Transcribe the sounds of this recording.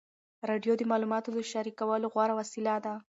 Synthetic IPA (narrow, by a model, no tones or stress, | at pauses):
ɾɑɖjod̪əmɑlumɑt̪od̪əʃaɾikawəloɣwɑɾawasilad̪a